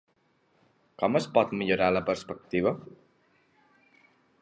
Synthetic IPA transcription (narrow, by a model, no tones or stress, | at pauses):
kɔməspɔt̪miʎuɾaləpəɾspək̚t̪iβ̞ə